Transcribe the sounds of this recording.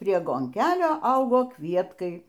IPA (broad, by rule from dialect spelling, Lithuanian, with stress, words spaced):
pʲrʲiɛ ɡoːŋʲˈkʲæːlʲoː ˈɐʊɡoː ˈkʋʲiɛtkɐɪ